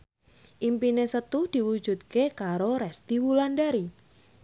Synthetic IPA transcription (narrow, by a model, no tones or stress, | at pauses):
ʔimpinesət̪ud̥i̤wud̥ʒ̥ṳt̪̚kekaɾoɾɛst̪iwulanɖaɾi